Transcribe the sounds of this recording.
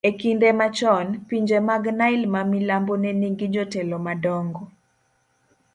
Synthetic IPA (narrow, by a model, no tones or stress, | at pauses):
ekindemat͡ʃɔnpiɲd͡ʒemaɡnaɪlmamilamboneniŋɡid͡ʒɔtelɔmadɔŋɡɔ